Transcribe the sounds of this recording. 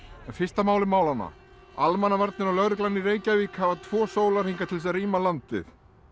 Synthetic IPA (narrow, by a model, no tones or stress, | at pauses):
ɛnfɪst̪amaːwlɪmaːwlanːa̰ | almanːavaɾt̪nɪnalœɣɾɪklanːiɾeːjcavikhavat̪ʰvɔːsoːwlaɾ̥iŋkat̪ʰɪls̬ɛðriːmalant̪vɪ̰θ